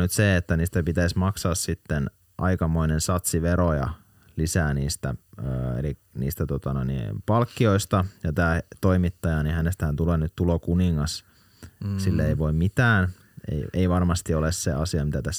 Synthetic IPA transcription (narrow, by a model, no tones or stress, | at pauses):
nyt̪seet̪ːæniːst̪æpit̪æismɑksɑːssit̪ːen | ʔɑikɑmoinensɑt̪siʋeɾojɑ̰ | lisæːniːst̪æøːḛli | nḭːst̪æt̪ot̪ɑnoinḭ̃pɑlkːioist̪ɑjɑt̪æːt̪oimit̪ːɑjɑnihænest̪æhænt̪uleːnyt̪t̪ːulokuniŋːɑs | silːeeiʋoimmit̪æːn | ḛieiʋɑrmɑst̪iolesseɑsiɑmit̪æt̪æs